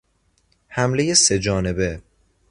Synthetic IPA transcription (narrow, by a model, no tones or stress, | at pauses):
hæmle̞je̞se̞d͡ʒɒːne̞be̞